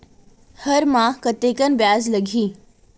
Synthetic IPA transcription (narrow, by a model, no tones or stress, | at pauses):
həɾmãkət̪ekənbjaːzləɡʱiː